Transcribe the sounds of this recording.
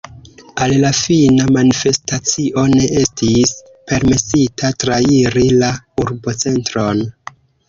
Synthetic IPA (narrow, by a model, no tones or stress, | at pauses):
allafinamanife̞stat͡siʔo̞ne̞ʔe̞stis | pe̞ɾme̞sitʰatɾaiɾilauɾbo̞t͡se̞ntɾo̞n